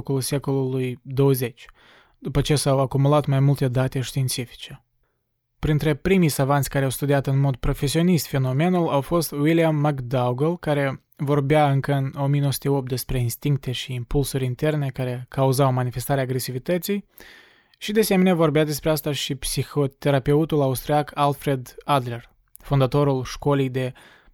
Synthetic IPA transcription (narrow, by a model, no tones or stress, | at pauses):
kulse̞ko̞lulujd̪o̞wəze̞t͡ʃʲ | d̪̥upət͡ʃe̞sawakumulat̪majmult̪e̞d̪at̪e̞ʃt̪iːnt̪sifi̥t͡ʃe̞ | pɾint̪ɾe̞pɾimijsavant̪sʲkaɾeawst̪ud̪iat̪ɨnmo̞d̪̚pɾo̞fe̞sio̞nist̪fe̞no̞me̞nulawfo̞st̪wiliamːakd̪awɡelkaɾe̞ | vo̞rbjaɨŋkəɨno̞mijenosu̥t̪eo̞p̚t̪d̪e̞spɾe̞inst̪iŋk̚t̪e̞ʃiːmpulsuɾʲint̪e̞rne̞kaɾe̞kauzawmanife̞st̪aɾeaːɡɾe̞sivit̪ət̪sij | ʃid̪ese̞meneavo̞rbead̪e̞spɾeast̪aʃipsixo̞t̪e̞ɾape̞ut̪ulaust̪ɾiakʰalfɾe̞d̪ad̪le̞r | fund̪at̪o̞ɾulʃko̞lijd̪e̞